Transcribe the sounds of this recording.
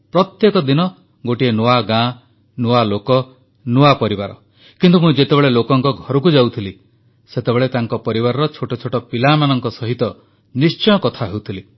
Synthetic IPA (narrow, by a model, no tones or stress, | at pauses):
pɾɔt̪jekɔd̪inɔ | ɡoʈienoaɡã | noalokɔ | noapɔɾibaɾɔ̰ | kint̪umũd͡ʒet̪ebeɭelokɔŋkɔɡʱɔɾɔk̬ud͡ʒawt̪ʰili | set̪ebeɭet̪aŋkɔpɔɾibaɾɔɾɔt͡ʃʰoʈɔt͡ʃʰoʈɔpilamanɔŋkɔsɔɦit̪ɔ | nist͡ʃɔjɔkɔt̪ʰaɦewt̪ʰili